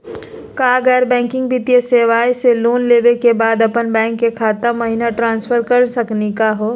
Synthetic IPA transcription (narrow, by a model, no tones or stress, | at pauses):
kaːɐɡɛːɾbɛ̃ːŋkɪ̃ŋɡ̚bʱit̪ijeseːʋaːjseloːnleːʋekebaːd̪ɐpənbɛ̃ːŋkːekʰaːt̪əmɐɦinaʈɾãːnsfʰəɾkɐɾsɐknikaɦoː